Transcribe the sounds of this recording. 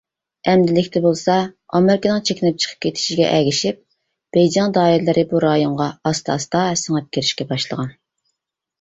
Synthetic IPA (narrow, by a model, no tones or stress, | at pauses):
ɛmd̪ɪlɪkʲt̪ɛbolˠsɑɑmɪɾɪkənɨŋt͡ʃʰekʲɪnɛp̚t͡ʃʰə̥qʰə̥p̚kʲʰet̪ʰɪ̥ʃiɡʲɛ̰ʔɛɡʲiʃip̚ | b̥ɛjd͡ʒɛnd̪ɑːiɾlɪɾʔɪbuɾɑjoɴʁɑɑst̪ʰɑ̰ːst̪ɑɛsɨŋɛp̚kʲiɾɪʃkʲɛbɑʃlˠə̰ʁɑn